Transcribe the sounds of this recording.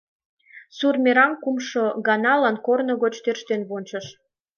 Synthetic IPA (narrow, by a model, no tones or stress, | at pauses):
surmʲeɾɑŋkumʃoɣɑnɑlɑnkornoɣot͡ɕt̪erʃt̪enβont͡ɕəʃ